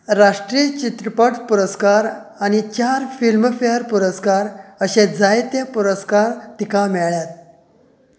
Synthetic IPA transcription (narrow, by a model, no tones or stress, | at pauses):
ɾaʂʈɾiət͡ɕit̪ɾəpəʈpuɾəskaɾañit͡ɕaɾfilmfeɦəɾpuɾəskaɾəɕẽd͡zajt̪japuɾəskaɾt̪ikamɛɭjat̪̚